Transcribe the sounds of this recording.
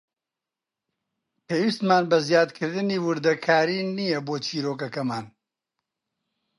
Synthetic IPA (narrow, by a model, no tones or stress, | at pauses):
pʰeːwist̪maːnbɐzjaːd̪kʰɨɾd̪ɨniːwɨɾd̪ɐkʰaːɾiːnijɛboːt͡ʃʰiːɾoːk̬ɐkɐmaːn